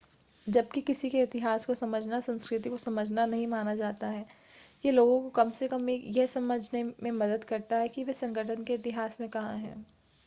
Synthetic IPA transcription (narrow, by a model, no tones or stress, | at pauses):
d͡ʒɐb̚kikɪsikeɪt̪ɪɦaːskosɐməd͡ʒʱnasɐ̃nskɾɪt̪̬ikosɐməd͡ʒʱnanɐɦĩmaːnad͡ʒaːt̪aɦɛː | jeloːɡõkokɐmsekɐmejɛɦsɐməd͡ʒʱnemẽmɐd̪əd̪kɐɾt̪aɦɛkiʋesɐ̃ŋɡəʈʰənkeɪt̪ɪɦaːsmẽkɐɦã̰ɦɛ̰̃ː